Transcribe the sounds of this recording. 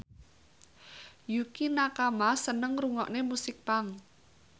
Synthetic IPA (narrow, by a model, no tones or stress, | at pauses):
jukinakamasənəŋruŋɔʔnemusɪk̚paŋ